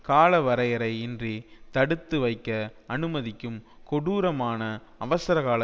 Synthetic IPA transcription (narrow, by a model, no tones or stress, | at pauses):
kaːlɐʋɐɾɐjɐɾɐɪɪndrit̪ɐɽɯt̪ːɯʋɐɪkːɐɐnɯmɐðɪkːɯm | kɔɽuːɾɐmaːnɐɐʋɐsɐɾɐɣaːlɐ